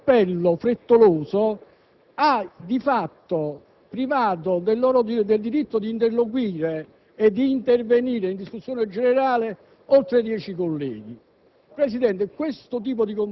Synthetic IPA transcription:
pːɛlːofɾet̪ːoloːzo | ad̪ifat̪ːo | pɾivaːt̪̬od̪elːɔːɾod̪d̪eld̪iɾit̪ːod̪iːnt̪erlok̬wiːɾeː | d̪ːiːnt̪erveniːɾeind̪iskusːjoːned͡ʒeneɾaːle | olt̪ɾed̪jɛːt͡ʃikolːɛ̰ːɡi | pɾesid̪ɛnt̪ekwest̪ot̪̬iːp̬od̪ikom

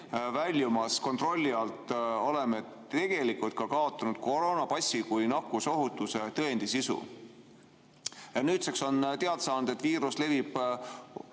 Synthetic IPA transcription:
vælʲjumɑsko̞nt̪ro̞lʲːiɑlt̪ˑo̞leme̞ | t̪e̞ɡ̥e̞likult̪̚kɑkɑo̞t̪ːˑɑnud̪̥ko̞ɾo̞ːnɑpɑsʲːikujnɑkːuso̞ɦut̪ːˑuset̪ɤend̪̥isisṵ | jɑnyːt̪sekso̞nt̪e̞ɑd̪̥sɑːnud̪̥e̞t̪ːviːɾusle̞vib̥

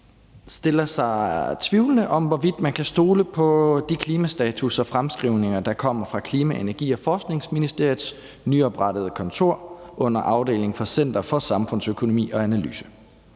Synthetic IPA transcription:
sd̥e̝lɐsɑ̈ɪt͡sʰʋiʊlənəʔɒ̽mʋɒʋid̥mænkʰæsd̥o̝ːləpʰɒ̽d̥ikʰliːmæsd̥ɛːt͡sʰusɒ̽fʁamsɡ̥ʁiʊ̰ne̝ŋɐd̥ɑ̈kʰɒ̽m̰ɐfʁɑ̈kʰliːmæʔe̝næɐɡ̥ḭːɒ̽fɒːsɡ̥ne̝ŋsminisd̥e̝ɐið̩ˠs | nyɒ̽b̥ʁɑd̥əð̞ˠəkʰɒ̽nt͡sʰo̝ɐ̰ʔɔ̽n̰ɐʔɑ̈ʊd̥e̝̰ːle̝ŋfɒ̽sen̰d̥ɐfɒ̽sɑ̈mfɔ̽n̰søkʰo̝no̝mḭːɒ̽ænæly̰ːsə̥

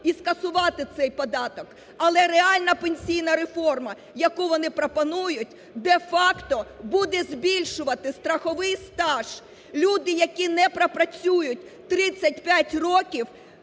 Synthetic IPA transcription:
iskɐsʊʋɑt̪ɪt̪sɛjpɔd̪ɑt̪ɔk | ɐlˠɛɾeɑlʲnɐpenʲsʲijnɐɾefɔrmɐ | jɐkuʋɔnɪpɾɔpɔnujʊtʲ | d̪efɑkt̪ɔbud̪ɛzʲbʲilʲʃʊʋɐt̪ɪst̪ɾɐxɔʋɪjst̪ɑʒ̥ | lʲud̪ɪjɐkʲinɛpɾɐpɾɐt͡sʲujʊtʲt̪ɾɪt͡sʲːɐt̚ʲpʲjatʲrɔkʲiw

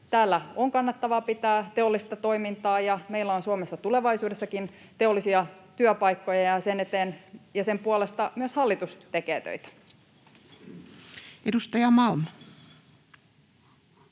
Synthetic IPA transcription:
t̪æːlːæoŋkɑnːɑt̪ːɑʋɑpit̪æːt̪e̞o̞lːist̪ɑt̪o̞imint̪ɑːjɑmeilːæonsuomesːɑt̪ule̞ʋɑisuːdesːɑkin | t̪e̞o̞lːˑisiɑt̪yøpɑikːo̞jɑjɑsenet̪eːnjɑse̞mpuole̞st̪ɑmyøshɑlːit̪ust̪ekeːt̪ø̰it̪æ̥ | ʔedust̪ɑjɑmɑlmɑ

